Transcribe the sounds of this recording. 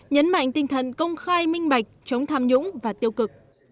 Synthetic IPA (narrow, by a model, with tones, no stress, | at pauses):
ɲə˨˦nma̰˧˨jŋ̟t̪ï˧˩ŋ̟t̪ʰə̰˧˨nkə˧wŋ͡mxaː˧jmï˧ŋ̟ɓa˨˩jk̟̚t͡ɕə˨˦wŋ͡mt̪ʰaː˧mɲʊ̰˧˥ŋ͡mvaː˨˩t̪i˧əwkɨ˨˩k̚